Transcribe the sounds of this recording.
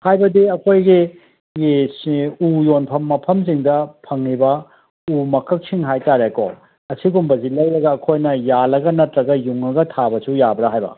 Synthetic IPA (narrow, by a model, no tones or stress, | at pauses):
hajbɐdiɐkʰojɡi | sujonpʰɐmːɐpʰɐms̬iŋdɐpʰɐŋːibɐ | umɐkʰɐk̚siŋɦajtaɾeko | ɐsiɡumbɐzilɐjɾɐɡɐːkʰojnɐjalɐɡɐnɐtɾɐɡɐjuŋɐɡɐtʰabɐsujabɾɐɦajbɐ̰